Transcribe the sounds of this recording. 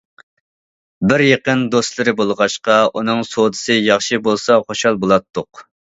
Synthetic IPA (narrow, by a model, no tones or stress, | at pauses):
bɪɾjeqənd̪ost̪lˠɨɾɪbolˠʁɑʃqɑunɨŋsod̪ɨsɨjɑχʃibolˠsɑχoʃɑlˠbolˠɑt̪ʰːʊq